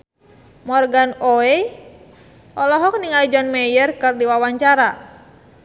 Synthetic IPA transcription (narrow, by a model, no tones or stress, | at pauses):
mɔrɡanoe | ʔɔlɔɦɔk̚niŋalid͡ʒɔnmɛjərkɨrdiwawaɲt͡ʃaɾa